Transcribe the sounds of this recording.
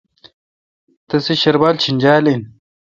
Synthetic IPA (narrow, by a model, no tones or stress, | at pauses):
t̪ɐsiɕɐɾbaːlt͡ɕʰind͡ʑaːlin